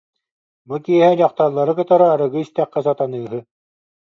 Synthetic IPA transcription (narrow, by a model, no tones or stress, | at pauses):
bukiɛɦɛjɑqt̪ɑɾlˠːɑɾɯkɯ̆t̪ɑɾaːɾɯ̆ɡɯist̪æqːɛs̬at̪anɯːɦɯ